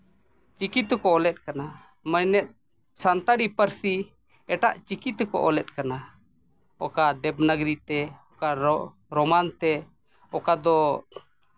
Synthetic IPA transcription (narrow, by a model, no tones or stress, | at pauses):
t͡ʃikit̪kɔɔlɛt̪̚kana | məjnɛt̪̚ | sant̪aɽipəɾsi | ɛʈa̰ʔt͡ʃikit̪kɔ̰ʔɔlɛt̪̚kana | ɔkad̪ɛbnəɡɾit̪ɛɔkaɾ | ɾɔmant̪ɛ | ɔkad̪ɔ